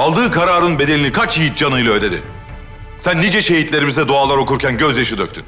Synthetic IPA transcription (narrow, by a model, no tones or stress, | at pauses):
alˠd̪ɯːkʰaɾaːɾɯnbe̞d̪elʲinikʰat͡ʃjijit̪̚d͡ʒanɯjlˠaød̪e̞d̪ḭ | sænːid͡ʒɛʃe̞ɦit̪lʲe̞ɾimizɛd̪oalˠaɾo̞kuɾcʰænɟøzjaʃɯd̪øct̪ʰyn